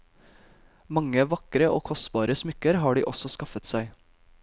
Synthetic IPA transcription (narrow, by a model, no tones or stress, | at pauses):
mɑŋəʋɑkɾəʔo̰ːkʰɔst̪bɑːɾəsmʏkəɾɦɑːɖḭːʔɔsɔskɑfət̪sæɪ